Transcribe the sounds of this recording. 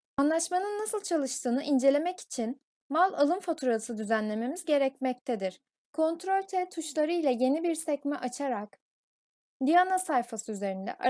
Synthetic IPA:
anlˠaʃmanɯnːasɯlˠt͡ʃʰalˠɯʃt̪ʰɯːnɯʔind͡ʒe̞lʲe̞mɛci̥t͡ʃʰin | malˠalˠɯnfat̪ʰuɾalɯsɯd̪yzænlʲe̞me̞mizɟe̞ɾɛcmɛc̚t̪ʰɛd̪iɾ̥ | kʰo̞nt̪ɾolʲt̪ʰɛt̪ʰuʃlˠaɾɯilʲɛje̞nibiɾsɛcmɛʔat͡ʃʰaɾak | d̪ijanasajfasɯyze̞ɾind̪ɛ̰ʔa

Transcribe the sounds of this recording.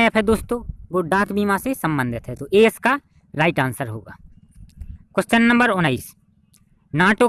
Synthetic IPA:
ɐpʰed̪oːst̪õːbʊɖaːk̪biːmãsesɐ̃mbə̃nd̪ʱɪt̪ɦɛt̪oʔeska | ɾaːɪʈãːnsəɾɦo̰ːɡa̰ː | kʊst͡ʃənːə̃mbəɾʊnaːiːs | naːʈo

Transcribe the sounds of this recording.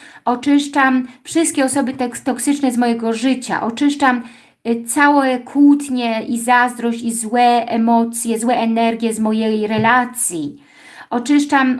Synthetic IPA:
ʔɔt͡ʂɘʂt͡ʂamfʂɘst̪kʲɛɔsɔbɘt̪ɛkt̪ɔksɘt͡ʂnɛzmɔjɛɡɔʐɘt͡ɕa̰ʔɔt͡ʂɘʂt͡ʂam | t̪sawɛkʰut̪ɲɛizazd̪ɾɔɕt͡ɕizwɛʔɛmɔt̪sʲjɛzwɛʔɛnɛɾɡʲjɛzmɔjejɾɛlat̪sʲji | ʔɔt͡ʂɘʂt͡ʂam

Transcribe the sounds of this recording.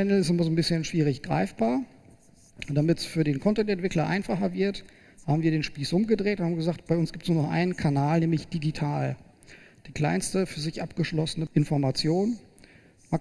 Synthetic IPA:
ɛnl̩ɪstɪmɐzoːnbɪsçənʃv̥iːʁ̞ɪçɡ̥ʁa̰ɪfb̥aːɐ | d̥amɪtsfyːɐɾeːnkʰɔntɛntɛntv̥ɪklɐʔa̰ɪnfaχɐvɪɐt | haːbm̩viːɐɾeːnʃpiːsʔʊmɡədʁeːtʊnhaːmɡəzaːktb̥aɪʊnsɡ̥iːptsnuːɐnɔχʔa̰ɪnənkʰanaːlnɛːmlɪçd̥iɡitʰaːl | d̥iːkl̥aɪnstəfyːɐzɪçʔapɡ̥əʃlɔsənəʔɪnfɔɐmat͡sjoːn | ma

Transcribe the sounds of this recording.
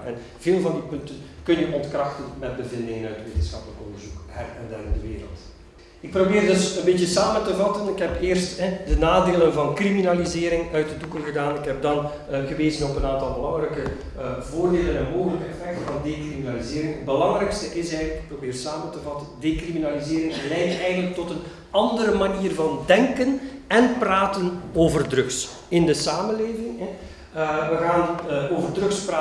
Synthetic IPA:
ɛ̰n | v̥eːlˠvɑndipɵntənkɵnjəʔɔntkrɑxtənmɛd̚bəvɪndɪŋənœɥtʋeːtənsxɑpələkɔndərzukɦɛrɛnda̰ɾɪndəʋɪːɾə̰lˠt | ɪk̚probeːrdɵsənbeːtəsaːməntəvɑtənɪkɦɛpɪːrstɦɛdənaːdeːlənvɑnkriminalizeːɾɪŋœɥtədukəlˠɣədaːnɪkɦɛb̚dɑn | ɣəʋeːzənɔpənaːntɑlˠbəlɑŋrɛkə | voːrdeːlənɛnmoːɣələkəɛfɛk̚tənvɑndekriminalizɪːɾɪŋəd̚bəlɑŋrɛjkstəʔɪsɛjɣənləkɪ̥k̚probeːrsaːməntəvɑtəndekriminalizeːɾɪŋlɛjtɛjɣənlək̚tɔtən | ɑndəɾəmaniːrvɑndɛŋkənɛnpraːtənoːvərdrɵks | ɪndəsaːmənleːvɪŋɛ | ʋəɣaːnoːvərdrɵkspraː

